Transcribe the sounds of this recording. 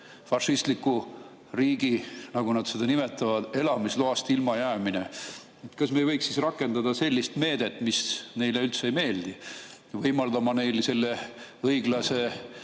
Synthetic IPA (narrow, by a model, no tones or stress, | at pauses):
fɑʃist̪likːu | riːɡ̥inɑɡunɑd̪̥se̞d̪ɑnime̞t̪ːˑɑvɑd̪̥e̞lɑmisloɑst̪ilmɑjæːmine | t̪kɑsme̞jvɤjksːisrɑkːˑe̞nd̪ɑd̪ɑse̞lʲːist̪me̞ːd̪̥e̞t̪ːˑmisne̞jleylt̪seejme̞ːld̪̥i | vɤjmɑld̪ɑmɑne̞jlse̞lːe̞ɤjɡ̥lɑse̞